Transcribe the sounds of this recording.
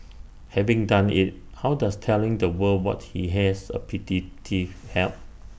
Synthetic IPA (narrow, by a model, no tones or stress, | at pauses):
hɛvɪ̃ŋdãnḭt̚ | hawdastʰɛlɪ̃ŋdəwəwɔ̰t̚hiɦɛsə̰pʰititʰihɛ̰lp̚